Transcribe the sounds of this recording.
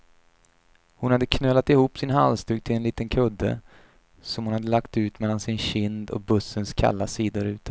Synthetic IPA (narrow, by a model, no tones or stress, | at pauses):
hʊnhad̪ːəkʰnøːlːat̪ɪhuːpːsɪnɦa̰lst̪ʉːɡ̚t̪ʰɪlɛnliːt̪ənkʰɵd̪ːə̰ | sɔmhʊnhad̪ːəlakt̪ʉ̟ːt̪mɛlːansɪnɕɪnd̪ɔ̰k̚bɵsːənskʰa̰lːasiːd̪ʊɾʉ̟ːt̪ə̥